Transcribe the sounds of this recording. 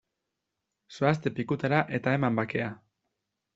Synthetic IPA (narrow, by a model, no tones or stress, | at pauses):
soast̪e̞pikut̪aɾaʔe̞t̪ae̞mambake̞a